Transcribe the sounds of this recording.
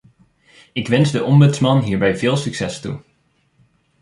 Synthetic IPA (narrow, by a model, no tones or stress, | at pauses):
ɪkʋɛnzdəʔɔmbɵtsmɑnɦiːɹbɛjv̥ɪːlˠsyksɛstṵ